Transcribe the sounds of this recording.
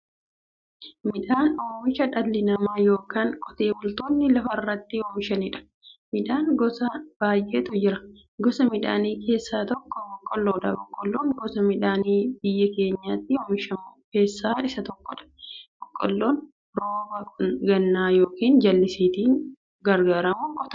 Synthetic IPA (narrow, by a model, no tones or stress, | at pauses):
mɪᶑaːnoːmɪʃɐᶑɐlːɪnɐmaːjo̞ːkaːŋkʼɔ̥t̪e̞ːbʊlt̪oːnːɪlɐfɐrːɐt̪ːɪhoːmɪʃɐnɪᶑɐ̥ | mɪᶑaːnɡɔsɐb̥aːjʔeːt̪ʊd͡ʒɪɾɐ | ɡɔsɐmɪᶑa̰ːniːke̞ːsːaːt̪ɔkːɔbɔkʼːɔlːoːᶑɐbɔkʼːɔlːoːŋɡɔsɐmɪᶑaːniːbɪjːɐke̞ːɲːaːt̪ːɪhomɪʃɐmuːke̞ːsːaːɪsɐt̪ɔkːɔᶑɐ̥b̥ɔkʼːɔlːoːn | ɾoːbɐkʊnɡɐnːaːjoːkiːnd͡ʒɐlːɪsiːt̪iːŋ | ɡɐɾɡaːɾɐmuːkʼɔt̪ɐ̥